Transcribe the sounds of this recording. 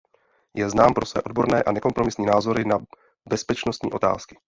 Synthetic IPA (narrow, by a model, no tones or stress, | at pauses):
jɛznaːmpɾo̞svɛ̰ːʔo̞d̚bo̞ɾnɛːʔanɛko̞mpɾo̞mɪsɲiːnaːzo̞ɾɪna | bɛspɛt͡ʃno̞st̪ɲḭːʔo̞t̪a̰ːskɪ̥